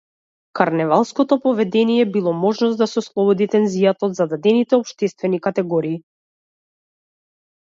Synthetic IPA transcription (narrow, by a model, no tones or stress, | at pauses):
kaɾnɛvalˠskɔt̪ɔpɔvɛd̪ɛnijɛbilˠɔmɔʒnɔsd̪asɛɔslˠɔbɔd̪it̪ɛnzijat̪aɔd̪zad̪ad̪ɛnit̪ɛɔpʃt̪ɛst̪vɛnikat̪ɛɡɔɾiː